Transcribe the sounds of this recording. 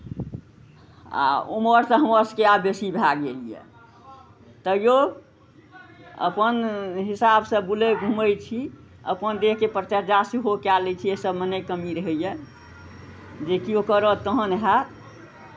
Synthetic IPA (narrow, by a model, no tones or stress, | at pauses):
a̰uməɾsə̃ɦəməɾskeabjəsibʱaɡelijɛ̰ | t̪əjo | ə̰pənɦisabsə̃buleɡʱũməjt͡ʃʰi | ə̰pənd̪ekkepɾt͡ʃaɾd͡ʒasiɦokalɛt͡ʃʰiesəbmənekəmiɾəɦɛjɛ | d͡ʒekiokəɾət̪əɦənɦat̪